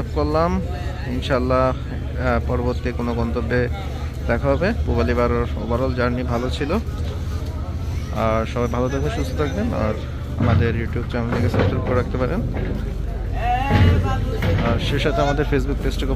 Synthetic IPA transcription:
ap̚koɾlːam | inʃaalːa | pɔɾoboɾt̪ikonoɡɔnt̪obːe | d̪̥ɛkʰaɦɔbepubalibaɾoɾo̰baɾold͡ʑaɾnibʱalot͡ɕʰilo | aɾʃɔbajbʱalot̪ʰakʰonʃust̪ʰot̪ʰak̚bena̰ɾ | a̰mad̪eɾjuʈijub̚t͡ɕɛmoikesaskɾip̚koɾeɾak̚t̪epaɾen | aɾʃeʃat̪eamad̪eɾfesbuk̚pesʈiko

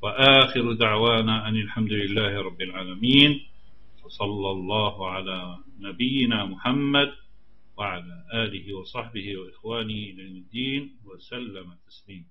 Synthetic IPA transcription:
waʔaːxɪɾʊd̪aʕwaːnaːʕanɪlħamd̪ʊlɪlːaːhɪɾˤɑbːɪlʕaːlamiːn | wɑsˤɑlːɑlˤːɑːhʊʕalaː | nabɪjːɪnaːmʊħamːad̪ | waʕalaːʔaːlɪhɪwɑsˤɑħbɪhɪwaʔɪxwaːnɪhʔɪlajomɪd̪ːiːnwasalːamat̪ːḁsliːm

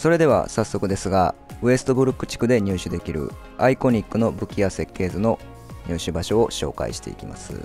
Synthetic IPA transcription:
so̞ɾe̞d̪e̞βa̰sasːo̞kɯ̟d̪e̞sɨɡa̰ɯe̞sɨ̥t̪o̞bɯ̟ɾɯkːɯ̟̥t͡ɕi̥kɯ̟d̪e̞ɲ̟ʲɨːɕɨd̪e̞kʲiɾɯ̟̰ | aiko̞ɲ̟ikːɯ̟no̞bɯ̟kʲijase̞kːe̞ːzɨno̞ | ɲ̟ʲɨːɕɨbaɕo̞ːɕo̞̰ːka̰ḭɕi̥t̪e̞̰ḭkʲima̰sɨ̰

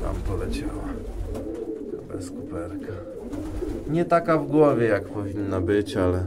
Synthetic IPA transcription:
t̪a̰mpɔlɛt͡ɕawa | kabɛ̰skupɛɾka | ɲɛt̪akavɡwɔvʲjɛjakpɔvʲinːabɘt͡ɕalɛ

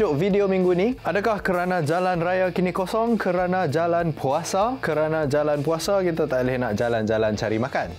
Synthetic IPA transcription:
ʊʔvidiomiŋɡuniadakahkəɾanãd͡ʒalanrajakinikosɔŋkəɾanãd͡ʒalanpʰuasakəɾanãd͡ʒalanpuasakit̪at̪aʔlehnaʔd͡ʒaland͡ʒalant͡ʃaɾimakan

